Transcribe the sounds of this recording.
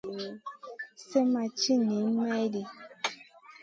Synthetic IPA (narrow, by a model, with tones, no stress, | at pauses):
sə˦ma˨t͡ʃi˦ne˨˦mɛ˦di˨